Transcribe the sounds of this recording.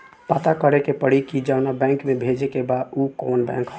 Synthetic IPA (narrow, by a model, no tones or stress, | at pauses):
pat̪akəɾekepəɽikid͡ʒəʊnabɛ̃ŋkmebʱed͡ʒekebaukonbɛ̰̃ŋkɦ